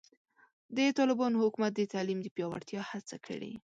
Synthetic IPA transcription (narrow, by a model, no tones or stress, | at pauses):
d̪ət̪ɑlɪbɑnohʊkumat̪̚d̪ət̪alimd̪əpjɑwa̰ɽt̪jɑhat͡sakʰə̰ɽḭ